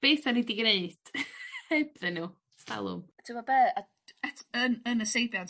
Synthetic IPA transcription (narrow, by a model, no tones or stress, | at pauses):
b̥eːθanidiɡneɨd̥hɛbðɪnu | sta̰lˠʊ̰mtʰɪmɔbɛːa | ɛtʰənənəsejbjan